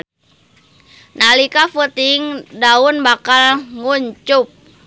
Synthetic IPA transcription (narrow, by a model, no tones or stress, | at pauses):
nalikafət̪iŋdaunbakalŋuɲt͡ʃup̚